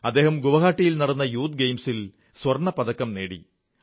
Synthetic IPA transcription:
ɐd̪ːe̞ːɦɐmɡuʋɐɣaːʈːijilnɐɽɐnːɐjuːt̪̚ɡejmsil | swɐrɳɐpɐd̪ɐkːɐmneːɽḭ

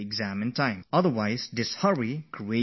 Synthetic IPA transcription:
ɪɡzæmɨ̃ntʰãɪ̃mʌðə˞waɪzdɪshʌɹikʰɹie

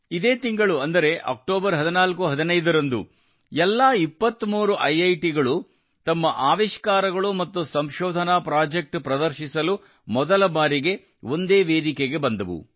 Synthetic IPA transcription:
id̪e̞ːt̪iŋɡɐɭuɐnd̪ɐɾe̞ʔɐ̰k̚ʈoːbɐɾɦɐd̪inaːlkuɦɐd̪inɐjd̪ɐɾɐnd̪u | ɛlːaːipːɐt̪ːmuːɾuʔɐjɐjʈiɡɐɭu | t̪ɐmːɐʔaːʋiʃkaːɾɐɡɐɭumɐt̪ːusɐmʃɔːd̪ʱɐnaːpɾaːd͡ʒek̚ʈpɾɐd̪ɐɾʃisɐlu | mɔd̪ɐlɐbaːɾiɡe̞ | o̞nd̪e̞ːʋeːd̪ikeɡe̞bɐnd̪ɐʋṵ

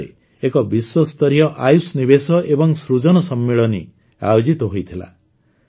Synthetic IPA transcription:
ḛ | ekɔbiswɔst̪ɔɾijɔʔajusniβesɔʔebɔŋsɾud͡ʒɔnɔsɔmːeɭɔni | a̰jod͡ʒit̪ɔɦojt̪ʰila̰

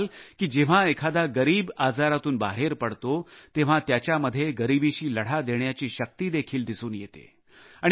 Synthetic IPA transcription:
lkiːd͡ʑeʋ̤aekʰad̪aɡəɾiːbad͡zaɾat̪uːnba̰ɦeɾpəɽt̪ot̪eʋ̤at̪jat͡ɕjaməd̪ʱːjeɡəɾibiɕiːləɽ̤ad̪eɳjat͡ɕiːɕək̚t̪iːd̪ekʰiːld̪isuːnjet̪ḛ | aɽ̃

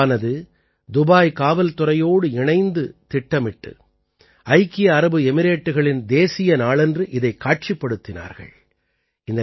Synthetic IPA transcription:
nɐðɯ | d̪ʊbaːjkaːʋɐlt̪ʊɾɐjoːɽɯɪɳɐɪnd̪ɯt̪ɪʈːɐmɪʈːɯ̰ | ɐɪkːɪjɐːɾɐbɯɛmɪɾeːʈːɯɣɐɭɪnd̪eːsɪjɐnaːɭɛndrɯʔɪðɐɪkːaːʈ̚t͡ʃɪpːɐɽɯt̪ːɪna̰ːɾɣɐ̰ɭ | ɪnd̪ɐ

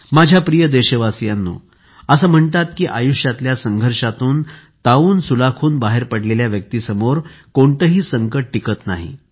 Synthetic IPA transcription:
mad͡ʑʱjapɾijəd̪eɕəʋasjanːṵ | əsəːm̤əɳt̪at̪kiːʔajuɕjat̪ljasəŋɡʱəɾʂat̪uːn | t̪auːnsulakʰuːnbaɦeɾpəɽleljaʋjək̚t̪iːsəmoɾkoɳt̪əɦiːsəŋkəʈ̚ʈːikət̪na̰ɦḭ

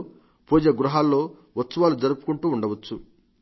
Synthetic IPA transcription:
puːd͡ʒɐɡɾuɦaːlːo̞ː | ʋɐt̪sɐʋaːlud͡ʒɐɾupu̥kuɳʈuːɳɖɐʋɐt͡ʃːu

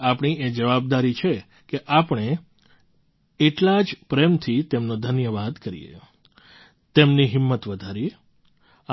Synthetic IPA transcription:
apɳied͡ʒəʋab̚d̪aɾit͡ʃʰe | keʔapɳ̃e | eʈlad͡ʒpɾemt̪ʰit̪emnod̪ʱənjəʋad̪kəɾḭjḛ | t̪emniɦɪmːət̪ʋəd̪ʱaɾi

